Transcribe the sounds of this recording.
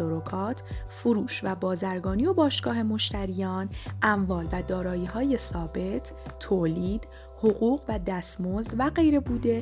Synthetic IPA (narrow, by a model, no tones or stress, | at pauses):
ɔːɾokʰɒːt̪ʰfoɾuːʃvæbɒːzæɾɡɒːnijobɒːʃɡ̥ɒːɦe̞mo̞ʃt̪ʰæɾijɒːnʔæmvɒːlvæd̪ɒːɾɒːjiːɦɒːje̞sɒːbe̞t̪ʰːoːliːd̪̥ | hoɣuːɣvæd̪æst̪mozd̪væɢe̞jɾe̞buːd̪e̞